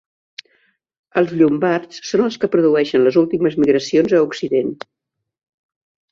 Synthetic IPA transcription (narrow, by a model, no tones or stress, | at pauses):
əlˠzʎumbaɾsːonəlˠskəpɾuðuɛʃənləzulˠt̪iməzmiɣɾəsionzəuksiðen